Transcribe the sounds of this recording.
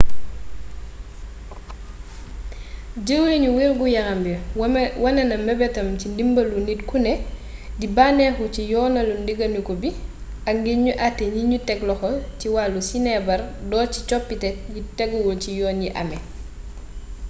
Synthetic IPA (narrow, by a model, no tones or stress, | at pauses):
ɟəwliɲuwilɡujaŋambəwɐnɐnɐmɛbɛtɐmcindimbɐlunitkunɛ | dibanɛxucijɔːnɐlundiɡɐnukɔbi | aŋɡeɲuʔatːeɲiɲutɛklɔxɔciwalusinɛbɐɾdɔːci̥t͡ʃɔpːitɛk̚jitɛɡwulcijɔːnɟiʔa̰mɛ